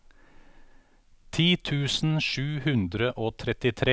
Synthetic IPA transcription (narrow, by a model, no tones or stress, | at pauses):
t̪ʰiːt̪ʰʉːsn̩ʃʉːhʉnd̪ɾəʔoːt̪ʰɾɛt̪ɪt̪ʰɾe